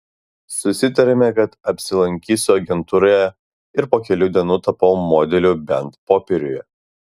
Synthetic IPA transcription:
sʊsʲɪt̪ɐɾʲɛmʲɛkɐt̪ɐpʲsʲɪlˠɐŋʲkʲiːsʲʊɐɡʲɛnt̪uːɾojɛ | ɪɾpoːkʲɛlʲuːd̪ʲiɛnuːt̪ɐpɐʊmoːd̪ʲɛlʲuˑbʲɛnt̪poːpʲɛɾʲʊjɛ

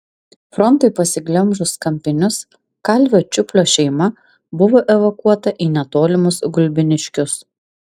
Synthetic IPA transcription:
fɾɔnˑt̪ɐɪpɐsʲɪɡlʲɛmˑʒʊskɐmʲpʲɪnʲʊs | kɐlʲʋʲoːt͡ʃʲʊpʲlʲoːʃʲɛɪmɐ | bʊʋoːʔɛʋokuɔt̪ɐʔinʲɛt̪oːlʲɪmʊsɡʊlʲbʲɪnʲɪʃʲkʲʊs

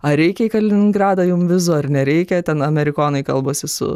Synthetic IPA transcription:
ɐɾʲɛɪkʲɛikɐlʲɪnʲɪŋɡɾɑːd̪ɐjʊmʋʲɪzoɐrnʲɛɾʲɛɪkʲɛt̪ʲɛnɐmʲɛɾʲɪkoːnɐɪkɐ̰lˠboːsʲɪsʊ̰

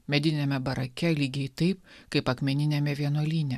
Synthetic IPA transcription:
mʲɛd̪ʲɪnʲɛmʲɛbɐɾɐkʲɛlʲiːɡʲɛɪt̪ɐɪpkɐɪpɐkmʲɛnʲɪnʲɛmʲɛʋʲiɛnoɔlʲiːnʲɛ

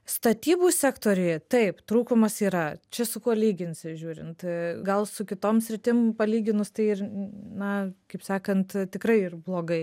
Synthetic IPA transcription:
st̪ɐt̪ʲiːbuːsʲæːkt̪oːɾʲɪjt̪ɐɪpt̪ɾuːkʊmɐsiːɾɐt͡ʃʲɛsʊkuɔlʲiːɡʲɪnʲsʲɪʒʲuːɾʲɪ̰nt̪ɡɐlˠsʊkʲɪt̪oːmsʲɾʲɪt̪ʲɪmpɐlʲiːɡʲɪnʊst̪ɐɪɪrnɐkɐɪpsɑːkɐnt̪t̪ʲɪkɾɐɪɪrblˠoːɡɐɪ

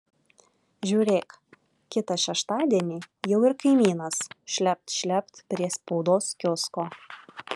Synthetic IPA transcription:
ʒʲuːɾʲeːk | kʲɪt̪ɐʃʲɛʃt̪ɑːd̪ʲiɛnʲiːjɛʊɪɾkɐɪmʲiːnɐsʃʲlʲɛp̚t̪ʃʲlʲɛpt̪pʲɾʲiɛspɔʊd̪oːskʲʊskoː

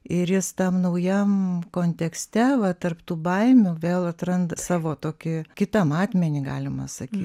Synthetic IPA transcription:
ɪɾjɪst̪ɐmnɐʊjɛmkoːnʲt̪ʲɛksʲt̪ʲɛʋɐt̪ɐrpt̪uːbɐɪmʲʊʋʲeːlˠɐt̪ɾɐnd̪ɐsɑːʋoːt̪oːkʲɪkʲɪt̪ɐmɑːt̪ʲmʲɛnʲiːɡɑːlʲɪmɐsɐkʲiː

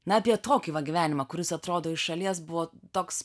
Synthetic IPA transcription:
nɐɐpʲiɛt̪oːkʲiʋɐɡʲiʋʲæːnʲɪmɐkʊɾʲɪsɐt̪ɾoːd̪oːɪʃʃɐlʲiɛsbʊʋoːt̪oːks

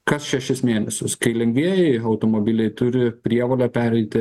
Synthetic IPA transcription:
kɐsʃʲɛʃʲɪsmʲeːnʲɛsʲʊskɐɪlʲɛŋʲɡʲʋʲiɛjɛɪɐʊt̪oːmoːbʲɪlʲɛɪt̪ʊɾʲɪpʲɾʲiɛʋoːlʲɛpʲæːɾʲɛɪt̪ʲɪ

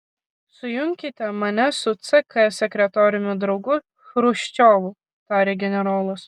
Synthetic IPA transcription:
sʊjʊŋʲkʲɪt̪ʲɛmɐnʲɛsʊt̪sɨkɐsʲɛkʲɾʲɛt̪ɔːɾʲɪnʲʊd̪ɾɒʊɡʊ | xɾʊʃʲt͡ʃʲoːʋʊ | t̪ɑːɾʲeːɡʲɛnʲɛɾoːlˠʊs

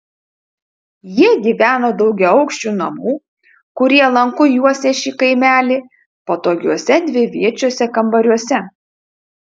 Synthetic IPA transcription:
jiɛɡʲiːʋʲæːnoːd̪ɒʊɡʲɛʊɒʊkʃʲt͡ʃʲuːnɐmuː | kʊɾʲiɛlˠɐŋkʊjuɔsʲeːʃʲiːkɐɪmʲæːlʲiː | poːt̪oːɡʲuɔsʲɛd̪ʲʋʲɪʋʲiɛt͡ʃʲuɔsʲɛkɐmbɐɾʲuɔsʲɛ

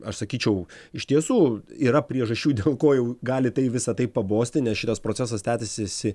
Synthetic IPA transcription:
ɐʃsɐkʲiːt͡ʃʲɛʊɪʃt̪ʲiɛsuːiːɾɐpʲɾʲiɛʒɐʃʲt͡ʃʲuːd̪ʲeːlˠkoːjɛʊɡɑːlʲɪt̪ɐɪʋʲɪsɐt̪ɐɪppɐboːsʲt̪ʲɪnʲɛsʃɪt̪ɐspɾoːt͡sʲæs̬ɐst̪ʲæːt̪ʲɪsʲɪsʲɪ

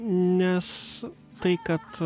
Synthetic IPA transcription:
nʲɛs | t̪ɐɪkɐt̪

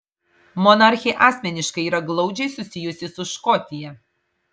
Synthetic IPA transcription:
mɔnɐɾʲxʲɛɪʔɑːsʲmʲɛnʲɪʃkɐɪiːɾɐɡlˠɒʊd͡ʒʲɛɪsʊsʲɪjʊsʲɪsʊʃkɔt̪ʲɪjɛ

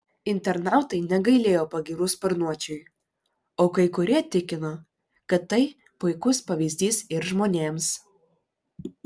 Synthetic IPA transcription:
ɪnʲt̪ʲɛɾnɑˑʊt̪ɐɪnʲɛɡɐɪlʲeːjoːpɐɡʲiːɾʊspɐɾnuɔt͡ʃʲʊɪ | oːkɐɪkʊɾʲiɛt̪ʲɪkʲɪnoː | kɐt̪ːɐɪ | pʊɪkʊspɐʋʲizʲd̪ʲiːsɪɾʒmoːnʲeːms

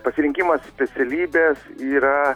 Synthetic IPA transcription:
pɐsʲɪɾʲɪŋʲkʲimɐssʲpʲɛt̪sʲɛlʲiːbʲeːsiːɾɐ

